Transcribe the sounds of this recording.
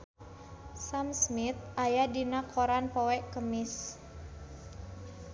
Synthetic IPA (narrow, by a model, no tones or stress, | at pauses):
samsmit̪̚ʔajadinakoɾanpɔwɛʔkəmɪs